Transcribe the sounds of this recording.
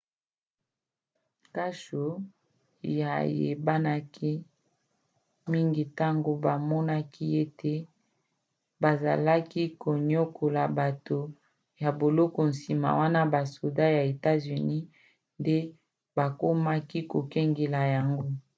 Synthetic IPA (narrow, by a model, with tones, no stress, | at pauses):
ka˦ʃo˨ | ja˨jḛ˨ba˦na˦ki˦ | mi˦ŋɡi˨ta˦ŋɡo˨ba˨mɔ˦na˦kʰi˦e˦te˦ | ba˨za˨la˦ki˦ko˨ɲo˦kʰo˨la˨ba˨to˨ | ja˨bo˨lɔ˦kɔ˨n̩˨si˨ma̰˨wa˦na˦ba˨so˨da˦ja˨e˨ta˦zy˨ni˦ | nde˦ | ba˨ko˦ma˦ki˦ko˨kɛ˦ŋɡe˨la˨ja˨ŋɡo˦